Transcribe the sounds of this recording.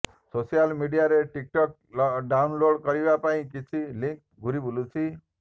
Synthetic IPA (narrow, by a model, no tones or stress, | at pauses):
sosijalmiɖijaɾeʈik̚ʈɔk̚ | ɖawnloɽkɔɾibapaĩkit͡ʃʰiliŋk̚ | ɡʱuɾibulut͡ʃʰi